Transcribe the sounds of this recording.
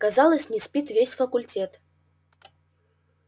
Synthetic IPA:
kazalˠəsʲnʲɪspʲit̪vʲesʲfəkʊlʲtʲet̪

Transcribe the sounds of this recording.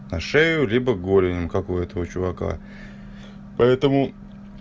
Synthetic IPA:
nɐʂɛjʊlʲibəɡolʲɪnʲɪmkakʊɛt̪əvət͡ɕʊvɐka̰ | pɐɛt̪əmʊ

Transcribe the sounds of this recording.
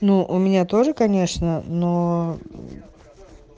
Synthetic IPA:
nuʔʊmʲɪnʲat̪o̞ʐɨkɐnʲe̞ʂnəno

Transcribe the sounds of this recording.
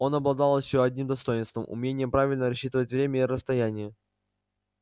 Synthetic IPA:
o̞nɐblˠɐd̪ɑlˠɪɕoɐdʲnʲimd̪ɐst̪o̞jɪnst̪və̰mʔʊ̰mʲenʲɪjəpɾavʲɪlʲnəɾɐɕːit̪əvətʲvɾʲemʲəɪiɾəst̪ɐjænʲɪjə

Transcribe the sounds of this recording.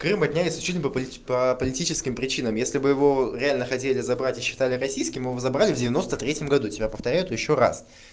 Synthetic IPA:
krɨmɐdʲnʲælʲɪt̪slʲʊt͡ɕit̪ʲlʲnʲpəpʲ | pəpəlʲɪtʲit͡ɕɪskʲɪmpɾʲɪt͡ɕinəmjesʲlʲɪbɨjɪvo̞ɾʲɪalʲnəxɐtʲelʲɪzɐbɾatʲɪɕːɪ̥t̪alʲɪrɐsʲijskʲɪmɨɪvozɐbɾalʲɪvdʲɪvʲɪno̞st̪ət̪ɾʲetʲjɪmɡɐd̪utʲɪbʲapəft̪ɐɾʲæjʊt̪jɪɕːora̰s

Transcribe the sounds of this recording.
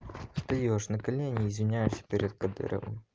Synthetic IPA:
ʂt̪ɔjɔɔʂnɐkɐlʲɛnʲiːzʲmʲinʲajusʲɐ̥pʲɛɾʲɛd̪̚kɐd̪ɨ̰ɾɐ̰w̰

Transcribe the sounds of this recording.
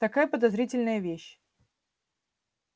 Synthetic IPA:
t̪ɐkajəpəd̪ɐzɾʲitʲɪlʲnəjəvʲeɕ

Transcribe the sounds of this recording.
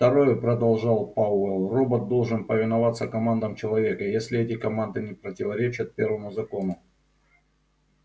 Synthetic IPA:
ft̪ɐɾo̞jpɾəd̪ɐlˠʐɑlˠpaɛlˠro̞bət̪̚d̪o̞lˠʐɨnpəvʲɪnɐvat̪sːəkɐmand̪əmt͡ɕɪlˠɐvʲe̞kəjesʲlʲɪɛtʲɪkɐmand̪ɨnʲɪpɾətʲɪvɐɾʲet͡ɕɪt̪̚pʲe̞rvəmʊzɐko̞nʊ

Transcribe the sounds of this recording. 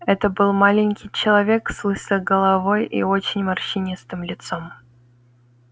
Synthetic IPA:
ɛt̪əbɨlˠmalʲɪnʲkʲɪjt͡ɕɪlˠɐvʲekslˠɨsʲəɡəlˠɐvo̞jḭot͡ɕɪnʲmɐrɕɪnʲist̪ɨmlʲɪt̪som

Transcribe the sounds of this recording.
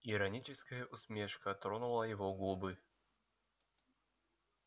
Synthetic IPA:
ɪɾɐnʲit͡ɕɪskəjəʔʊsmʲeʂkət̪ɾonʊlˠəjɪvoɡlˠubɨ

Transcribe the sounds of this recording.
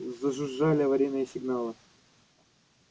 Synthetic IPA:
zəʐɨʐːalʲɪɐvɐɾʲejnːɨjəsʲɪɡnalˠɨ

